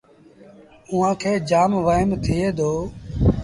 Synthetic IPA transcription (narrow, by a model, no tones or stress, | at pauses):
ʊɦãːkʰeːd͡ʒaːmʋaːɦɪmt̪ʰɪeːd̪ʱoː